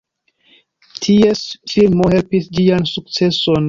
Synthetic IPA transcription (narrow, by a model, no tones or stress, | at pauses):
tʰiesfilmo̞he̞lpisd͡ʒiansuk̚t͡se̞so̞n